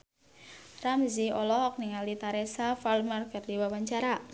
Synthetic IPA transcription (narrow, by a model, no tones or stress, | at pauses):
ramziɔlɔhɔk̚niŋalit̪aɾɛsafalmarkardiwawaɲt͡ʃaɾa